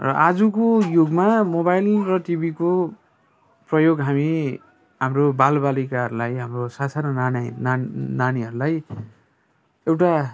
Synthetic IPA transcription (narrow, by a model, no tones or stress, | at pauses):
rʌ̰ʔad͡zukojoɡmamobajlrʌʈibʱiko | prʌjoɡɦami | ɦamrobalbalikaɦʌɾulajɦamrosasʰanʌannananiɦʌɾulaj | ewʈa